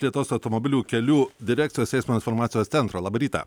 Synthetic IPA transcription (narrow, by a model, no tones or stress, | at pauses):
lʲiɛt̪oːsɐʊt̪ɔmɔbʲɪlʲuːkʲɛlʲuːd̪ʲɪɾʲæːk̪̚ʲɪjoːsʲɛˑɪsmoːɪnfɔɾmɑːt̪ʲɪjossʲɛnt̪ɾoːlˠɑːbɐɾʲiːt̪ɐ̰